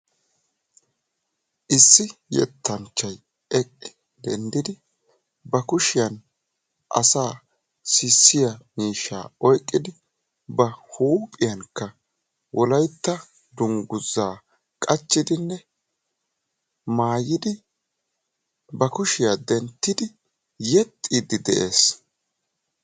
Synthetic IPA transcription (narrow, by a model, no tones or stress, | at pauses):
ʔɪsːɪjɛ̰t̪ːɐnt͡ʃːɐj | ɛkʼːɪ̥ | d̪̥ɛnd̪ɪd̪ɪ | bɐkʊʃɪjɐn | ʔɐ̰saː | sɪsːɪjɐmiːʃa̰ːɔjkʼːɪd̪ɪ | bɐhuːpʼɪjɐnkːɐ | wɔlɐjt̪ːɐ | d̪ʊŋɡʊzːaː | kʼɐt͡ʃːɪd̪ɪnːɛ | maːjɪd̪ɪ | bɐkʊʃɪjad̪ɛnt̪ːɪd̪ɪ | jɛt̪ʼːid̪ɪd̪ɛʔeːs